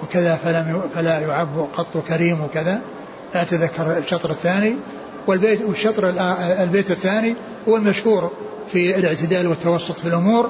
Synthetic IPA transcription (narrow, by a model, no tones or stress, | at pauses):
wɪkɪðafalamjfalajʊʕabːqɑt̪ˤːwkaɾiːmwɪkɪða | laʔt̪aðakːɑɾˤʃːɑt̪ˤɾɪθːaːni | wɪlbeːwɪʃːɑt̪ˤɾɪlʔalbeːt̪ɪθːaːni | hʊwːalmaʃhuːɾ | fiɪlɪʕt̪ɪd̪aːlwɪt̪ːɑwɑsˤːʊt̪ˤfilʔʊmuːɾ